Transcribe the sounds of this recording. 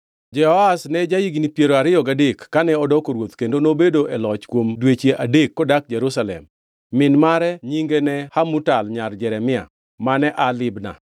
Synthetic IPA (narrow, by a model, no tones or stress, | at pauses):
d͡ʒɛhɔasnɛd͡ʒajiɡnipjeɾoaɾɪjɔɡadekːanɛɔdɔkoɾwot̪kendonobedoʔɛlɔt͡ʃkwomdwet͡ʃeʔadekːɔdak̚d͡ʒɛɾusalɛ̰mː | ɪnmaɾɛɲiŋɡenɛhamutalɲard͡ʒɛɾɛmɪa̰ | manɛʔalɪbna̰